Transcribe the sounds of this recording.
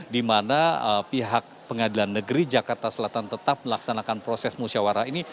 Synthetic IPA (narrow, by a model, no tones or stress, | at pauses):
dimanaəpiɦak̚pəŋadilanːəɡəɾid͡ʒakart̪asəlat̪ant̪ət̪ap̚məlaksanakanpɾosɛsmusawaɾaini